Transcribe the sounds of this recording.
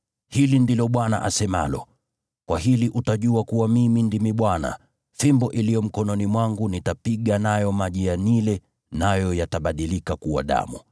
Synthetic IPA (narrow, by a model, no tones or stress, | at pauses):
hilindilɔɓwana̰ʔasɛma̰lɔ̰ | kwaɦiliʔutaʄuakuwamimindimiɓwana̰ | fimbɔʔilijɔm̩kɔnɔnimwaŋɡunitapiɠanajɔmaʄijanilɛ | najɔjataɓaɗilikakuwa̰ɗa̰mu